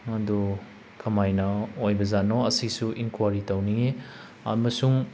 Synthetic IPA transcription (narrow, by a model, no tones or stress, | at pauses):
ɐdu | kʰɐmajnɐojbɐzanɔɐsisuʔinkwaɾitownie | ɐ̰mɐsuŋ